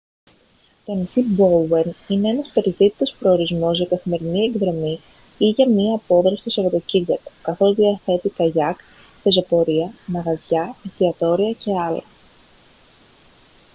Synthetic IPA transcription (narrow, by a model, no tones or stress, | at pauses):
t̪onisiboenine̞e̞nɐspe̞ɾizðit̪i̥t̪o̞spɾo̞ːɾizmo̞zʝɐkɐθime̞ɾinie̞ɡðɾo̞mi | iʝɐmiɐːpo̞ðɾɐsisevot̪ociɾʝɐt̪u̥kɐθo̞zðiɐθe̞t̪ikɐʝɐk | te̞zo̞po̞ɾiɐmɐɣɐzʝɐit̪iɐt̪o̞ɾiɐce̞ɐlɐ